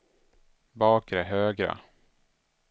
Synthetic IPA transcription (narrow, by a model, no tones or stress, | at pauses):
bɑːkɾɛɦøːɡɾa̰